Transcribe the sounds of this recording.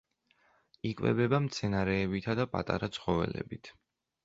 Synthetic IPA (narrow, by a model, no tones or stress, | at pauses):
ikʼvɛ̰bɛbamt̪sʰɛnaɾɛːbit̪ʰad̪apʼa̰t̪ʼa̰ɾat̪sʰχɔvɛ̰lɛ̰bit̪ʰ